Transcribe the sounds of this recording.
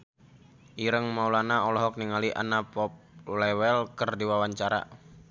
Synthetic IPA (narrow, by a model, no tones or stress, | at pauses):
ʔiɾəŋmaulanaɔlɔɦɔk̚niŋaliʔa̰napɔp̚lɛwɛlkərdiwawaɲt͡ʃaɾa̰